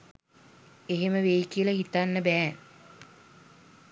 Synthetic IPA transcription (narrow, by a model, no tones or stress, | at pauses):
eɦeməʋejkiəlahit̪anːəbɛːn